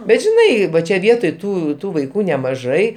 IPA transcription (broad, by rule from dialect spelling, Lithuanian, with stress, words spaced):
bʲɛt ʒʲɪˈnɐɪ ˈʋɐ t͡ʃʲɛ ˈʋʲiɛtoːj ˈtuː ˈtuː ʋɐɪˈkuː nʲɛmɐˈʒɐɪ